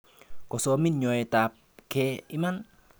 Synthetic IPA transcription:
kɔsominɲoet̪ap̚kʰeiman

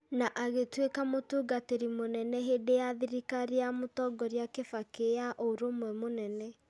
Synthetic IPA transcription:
naʔaɣetwekamotuːɡateɾimonɛnɛɦedejaðiɾikaɾeamotɔɡɔɾjakefakejaʔoɾomwɛmonɛnɛ

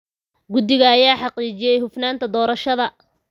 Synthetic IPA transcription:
ɡʊd̪ɪɣɐːjaːħɑqiːt͡ʃɪjɛjɦʊfnaːnt̪ʰɐd̪ɔːɾɐʃɐðɐ

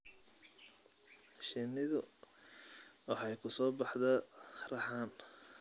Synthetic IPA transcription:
ʃɪnɪðʊ | wɑħɑjkʰʊsɔːbɑħd̪ɐrɑħɑːn

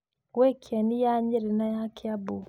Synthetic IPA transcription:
wɛkʰianijaɲɛɾɛnajakʰeabu

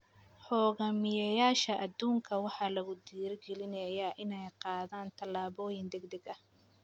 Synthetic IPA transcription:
ħɔːɣɐmɪjɐjaːʃɐʔɐd̪uːŋkʰɐwɑħɑːlɐɣʊd̪iːrɡɛlɪnɐjɐʔɪnɛjqɑːðaːnt̪ʰɐlaːβɔːjɪnd̪ɛɡd̪ɛɡɐ

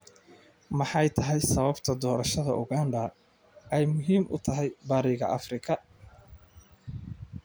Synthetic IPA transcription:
mɑħɑjt̪ʰɐɦɛjsɐβɐbt̪ʰɐd̪ɔːɾɐʃɐðɐ̰ʔʊɣaːndɐ | ɛjmʊɦiːmʔʊ̰t̪ʰɐɦɛjbaːɾɪɣɐ̰ʔɐfrɪkʰɐ

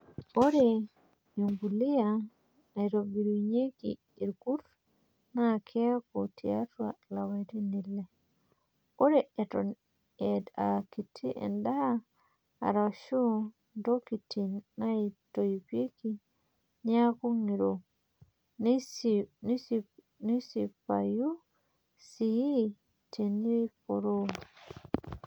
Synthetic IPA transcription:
oɾe | juŋɡulija | aɾobiɾuɲekḭ | iɾɡuɾ | nakʰeakutʰḭa̰twa̰lawatinilːe | oɾeeton | edakitʰːiʔḛndaa | a̰ɾaʃu | ndokitinnaitojpiki | ɲakuŋiɾo | n | nisi | nisipa̰ju | siji | tʰenipoɾo

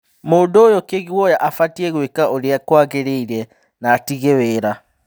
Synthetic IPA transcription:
moːndoːjɔkeɣiwɔjaʔafatiɛɣwekaʔoɾeakwaɣeɾeiɾɛ | naːtiɣeweːɾa

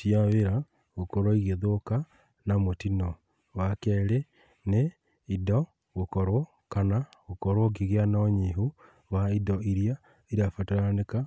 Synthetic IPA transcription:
siaweɾa | ɣokoɾwɔiɣeðoka | namotinɔ | wakɛɾe | ne | idɔ | ɣokɔɾwɔ | kanaɣokɔɾwɔkiɣeanaɲiɦo | waidɔiɾja | iɾafataɾaneka

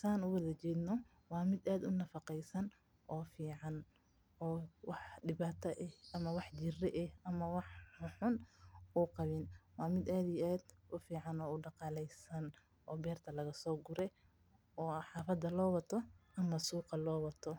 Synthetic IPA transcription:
saːnʊwɐðɐt͡ʃɛːd̪nɔ | wɑːmɪd̪aːd̪ʊnɐfɑqɛjsɐn | ʔɔːfiːʕɑn | ʔɔːwɑħɖɪβaːt̪ʰɐʔɛhʔɐmɐwɑħd͡ʒɪrɛʔɛhɐmɐwɑħħʊħʊnʔuːqɑβɪnwɑːmɪd̪aːd̪ijʔaːd̪ʔʊfiːʕɑnɔːʊɖɑqɑːlɛjsɐn | ʔɔːbɛːrt̪ʰɐlɐɣɐsɔːɡʊɾɛ | ɔːħɑːfɐd̪ɐlɔːwɐt̪ʰɔʔɐmɐsuːqɑlɔːwɐt̪ʰɔ

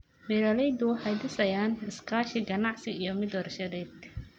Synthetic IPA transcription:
bɛɾɐlɛjd̪ʊħɑjd̪ɪsɐjaːnɪskʰaːʃɪɡɐnɑʕsɪijɔmɪd̪ɔːrʃɐðɛːd̪

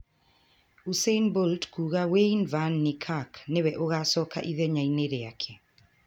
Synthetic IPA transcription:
useinboltkʰuɣaweinvanːɪkʰaknewɛʔoɣasɔka̰ʔiðɛɲaineɾeakʰe

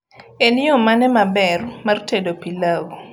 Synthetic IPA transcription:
eniomanɛmabɛrmartedopilaɡo

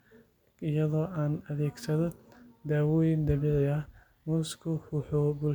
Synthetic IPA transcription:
ɪjɐðɔːʔaːnɐðɛːɡsɐðɔd̪aːwɔːjɪnd̪ɐβɛʕjɐ | muskʰʊhʊħɔbʊl

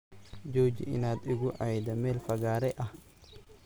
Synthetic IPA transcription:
d͡ʒɔːd͡ʒɪ̰ʔɪnaːd̪ɪɣʊʕajd̪ɐmɛːlfɐɣaːɾɛʔɐh

